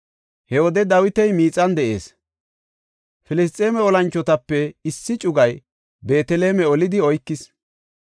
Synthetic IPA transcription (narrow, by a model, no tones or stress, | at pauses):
hɛɔd̪ɛd̪ɐwɪt̪ɛjmiːt͡sʼːɐnd̪ɛʔe̞̰ːs | fɪlɪs̬t̪ʼːeːmɛɔlɐnt͡ʃːɔt̪ɐpːɛɪsːɪt͡ʃʼʊɡɐj | be̞ːt̪ɛle̞ːmɛɔlɪd̪ɪɔjkːɪs